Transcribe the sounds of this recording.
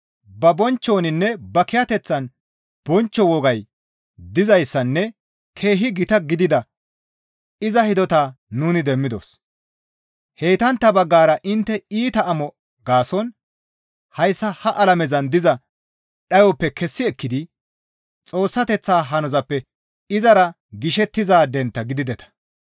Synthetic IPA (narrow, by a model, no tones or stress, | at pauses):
bɐbɔnt͡ʃːo̞ːnɪnːɛbɐkɪjɐt̪ɛt͡sːɐn | b̥ɔnt͡ʃːɔwɔɡɐj | d̪ɪzɐjsːɐnːɛ | kʰe̞ːɦɪɡɪt̪ɐɡɪd̪ɪd̪ɐ | ɪzɐhɪd̪ɔt̪aːnuːnɪd̪ɛmːɪd̪o̰s | he̞ːt̪ɐnt̪ːɐbɐɡːaːɾɐʔɪnt̪ːɛiːt̪ɐːmɔ | ɡaːsɔn | hɐjsːɐhɐʔɐlɐmɛzɐnd̪ɪzɐ | ɗɐjɔpːɛkɛsːɪɛkːɪd̪ɪ | t͡sʼo̞ːsːɐt̪ɛt͡sːaːɦɐnɔzɐpːɛ | ɪzɐɾɐ | ɡɪʃɛt̪ːɪzaːd̪ɛnt̪ːɐɡɪd̪ɪd̪ɛt̪ɐ̥